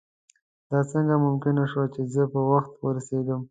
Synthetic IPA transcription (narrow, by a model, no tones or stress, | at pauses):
d̪ɑt͡səŋɡamʊmkɪnaʃwat͡ʃezəpəwaxt̪wəɾased̪əm